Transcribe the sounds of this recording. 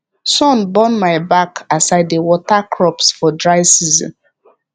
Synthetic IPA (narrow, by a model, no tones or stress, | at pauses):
sɔ̃nbɔnmaɪbakasaɪdewɔtakɹɔpsfɔdɹaɪsizɔ̰̃n